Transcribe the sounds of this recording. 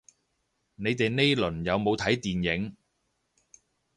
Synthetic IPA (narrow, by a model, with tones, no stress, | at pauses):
ne˨˧jt̪e˨jne˥jlɵ˨˩njɐ˨˧wmo˨˧wt̪ʰɐ˨˥jt̪iː˨njɪ˨˥ŋ